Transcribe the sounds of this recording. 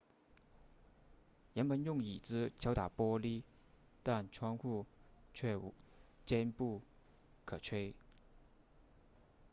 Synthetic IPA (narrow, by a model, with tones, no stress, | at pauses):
jɛ˧˥npə˧˥njʊ˥˩ŋi˨˩t͡sɹ̩˥t͡ɕʰjɑ˧˥ʊt̪a˨˩pwɔ˥li˥ | t̪a˥˩nʈ͡ʂʰwɑ˥ŋxu˥˧t͡ɕʰɥɛ˥˩˨t͡ɕjɛ˥npu˥˩ | kʰɤ˨˩ʈ͡ʂʰwe˥ɪ